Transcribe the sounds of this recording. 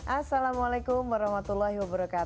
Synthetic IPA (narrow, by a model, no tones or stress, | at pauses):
ʔasalamalakʊmbaɾɔhmat̪ulːahiwabəɾakat̪